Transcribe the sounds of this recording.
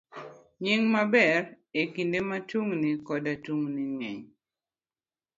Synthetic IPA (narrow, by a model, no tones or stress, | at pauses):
ɲiŋmabɛr | ekindematuŋnikɔdatuŋniŋɛɲ